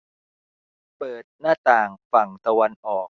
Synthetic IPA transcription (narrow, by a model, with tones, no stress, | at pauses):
pɤː˨˩t̪̚naː˥˩t̪aː˨˩ŋfa˨˩ŋt̪a˧wa˧nʔɔː˨˩k̚